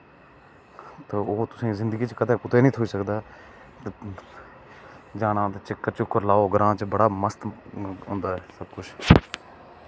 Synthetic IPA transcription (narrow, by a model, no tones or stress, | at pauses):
t̪oːoːt̪ʊsĩːzɪ̃nd̪əɡiːt͡ʃkəd̪eːpʊt̪eːnĩːt̪ʰoːiːsəkd̪aː | t̪ | d͡ʒaːnãːt̪et͡ʃɪkːəɾt͡ʃʊkːəɾlaːoːɡəɾãːt͡ʃbəɽaːməst̪ɦʊ̃ːnd̪aːɦɛːsəb̚kʊt͡ʃʰ